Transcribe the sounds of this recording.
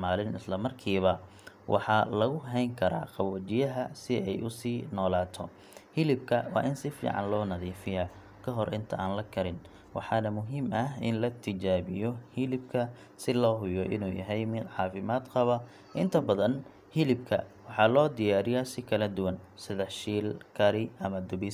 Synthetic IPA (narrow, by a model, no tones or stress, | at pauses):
maːlɪnɪ̰slɐmɐrkʰiːβɐ | wʔɑ̰ħɑlɐɣʊɦɛjŋkʰɐɾa̰ːqɑβɔːt͡ʃɪjɐɦɐsɪɛjʔʊsiːnɔːlaːt̪ʰɔ | hɪlɪb̚kʰɐwɑ̰ːʔɪnsɪfḭːʕɑ̰nlɔːnɐðiːfɪja | kʰɐɦɔrʔɪnt̪ʰɐʔaːnlɐkʰɐɾɪn | wɑ̰ħɑːnɐmʊɦiːmɐɦɪ̰nlɐt̪ʰɪt͡ʃaːβɪjɔhɪlɪb̚kʰɐ | sɪlɔːɦʊjɔʔɪ̰nuːjɐ̰ɦɛjmɪʕɑːfɪmaːd̪qɑβɐ | ʔɪnt̪ʰɐbɐðɐn | hɪlɪb̚kʰɐ̰wɑħɑlɔːd̪ɪjaːɾɪjɐsɪkʰɐlɐd̪ʊwɐnsɪðɛħʃiːlkʰɐɾɪɐmɐd̪ʊbis